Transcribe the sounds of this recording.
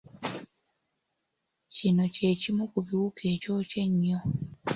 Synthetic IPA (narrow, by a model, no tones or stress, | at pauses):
cino̞ce̞ːcimukuβiwukʰe̞ːco̞ːce̞ɲːo